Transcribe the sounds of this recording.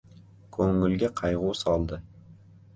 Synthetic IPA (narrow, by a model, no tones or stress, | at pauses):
kʰɵŋɪ̆lɡʲeqʰɑjʁusɑlˠd̪ə